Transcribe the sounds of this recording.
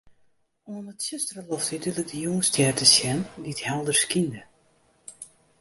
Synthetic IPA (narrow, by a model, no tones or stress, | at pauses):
onətsøstərəlɔftədylək̚dəjoŋstʰjɛrtəsjɛndiəthɛlˠdərskində